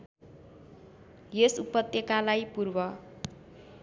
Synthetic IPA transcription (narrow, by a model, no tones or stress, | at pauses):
jesupʌt̪ːjʌkalajpurbʌ